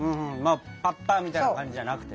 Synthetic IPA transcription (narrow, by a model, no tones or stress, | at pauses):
ɯ̃ːɯ̃maːpatːaːmʲit̪ainkãɲd͡ʑiʑanakɯ̟̥t̪e